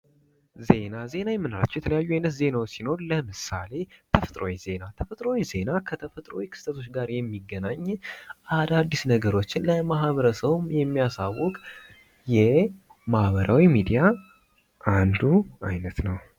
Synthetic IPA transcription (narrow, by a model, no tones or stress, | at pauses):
ze̞naze̞najɛmːɨnala̰t͡ʃːɛwjɛt̪ʰələjajːuajnət̪ze̞nawsino̞ɾləmɨsa̰le̞t̪ʰəfət̪ʼɾo̰wize̞nat̪ʰəfət̪ʼɾo̞wize̞nakʰət̪ʰəfət̪ʼɾo̰wikʰɨ̥st̪ʰət̪ʰo̞t͡ʃːɡaɾjɛmːiɡːənaɲːʔad̪ad̪ːisnəɡəɾo̞t͡ʃːɪnləmaɦβəɾəsəβmjɛmːijasawːɔkʼ | jɛmahβəɾʔawimid̪ija | ʔand̪ua̰jnət̪nəw